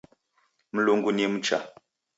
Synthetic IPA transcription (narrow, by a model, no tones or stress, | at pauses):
m̩luŋɡunim̩t͡ʃa̰